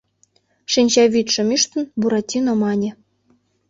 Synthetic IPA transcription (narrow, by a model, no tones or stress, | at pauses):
ʃinʲt͡ɕɑβʲit̪ʃɘ̆myʃt̪ə̆nbuɾɑtʲːinomɑnʲĕ